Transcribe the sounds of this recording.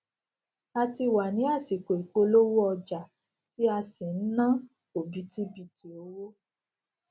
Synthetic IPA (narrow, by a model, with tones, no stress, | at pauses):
a˧ti˧˨wa˨nĩ˨˦a˦˨si˨ko˨i˨k͡po˧lo˦wo˦ɔ˧d͡ʒa˨ | ti˦a˧si˨n̩˦nã˦ | o˨bi˨˦ti˦bi˧ti˨o˨˧˦wo˦